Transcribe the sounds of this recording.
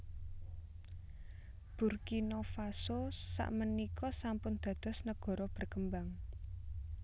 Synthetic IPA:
b̥urkinofasosa̰ʔmənikʰɔsampʊnd̪̥ä̤d̪̥ɔ̤snəɡ̥ɔ̤ɾɔb̥ə̤rkəmbaŋ

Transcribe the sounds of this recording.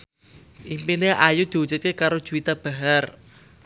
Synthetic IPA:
ʔimpineʔajud̪̥i̤ut͡ʃət̪̚kekaɾod̥ʒ̥uit̪ab̥a̤ɦar

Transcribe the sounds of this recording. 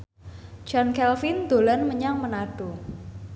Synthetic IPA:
d͡ʒ̥ankɛlfɪnd̪̥olanməɲaŋmənaɖ̥o

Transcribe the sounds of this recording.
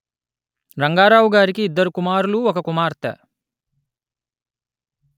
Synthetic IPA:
ɾɐŋɡaːɾaːʋɡaːɾikiːd̪ːɐɾukumaːɾuluɔkɐkumaːɾt̪ɐ̰ː

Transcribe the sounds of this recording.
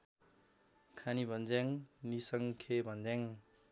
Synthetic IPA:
kʰanibʱʌnd͡zaŋnisʌŋkʰebʱʌnd͡zjaŋ

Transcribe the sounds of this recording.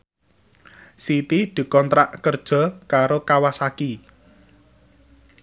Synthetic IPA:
sit̪id̪̥i̤kɔnt̪ɾaʔkərd̥ʒ̥ɔ̤kaɾokawasaki

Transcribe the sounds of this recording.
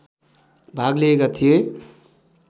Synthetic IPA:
bʱaɡleekat̪ʰije

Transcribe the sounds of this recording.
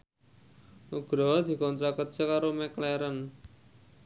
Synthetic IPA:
ʔuɡ̥ɾɔd̪i̤kɔnt̪ɾakər̥ʒ̥a̤kaɾomɛklɛɾən

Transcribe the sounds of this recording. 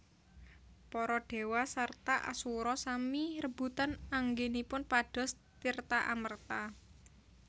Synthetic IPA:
pɔɾɔɖ̥e̤wasart̪aʔa̰suɾɔsamirəb̥ṳt̪anaŋɡenipʊnpaɖ̥ɔ̤s | t̪irt̪aʔamərt̪a

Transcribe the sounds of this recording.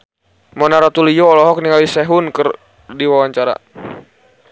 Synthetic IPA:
mɔnaɾat̪ulijɔːlɔɦɔk̚niŋawisɛɦʊnkɨr | diwawaɲt͡ʃaɾa̰

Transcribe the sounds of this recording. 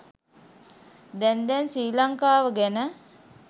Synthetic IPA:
d̪ɛnd̪ɛnsiːlaŋkaːʋəɡænə

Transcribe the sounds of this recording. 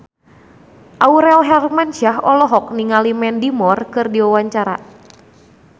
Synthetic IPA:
ʔauɾɛlɦɛrmant͡ʃaɦɔlɔɦɔk̚niŋalimɛndimɔrkɨrdiwawaɲt͡ʃaɾa̰

